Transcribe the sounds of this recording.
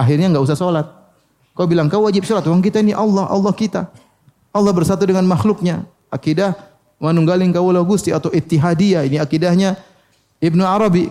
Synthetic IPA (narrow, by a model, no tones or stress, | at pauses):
aɦɪrɲaŋɡaus̬ahsolat̪̚ | kaubilaŋkawwad͡ʒɪp̚solat̪waŋk̬it̪ainiʔɑlːɑɦɑ̰lːɑhkit̪a̰ | ʔɑlːɑhbərsat̪udəŋanmaxlʊk̚ɲa | akidah | manuŋɡalɪŋkawalawɡust̪iat̪awit̪ːiɦadiainiakidahɲa | ɪbnuaɾɑbi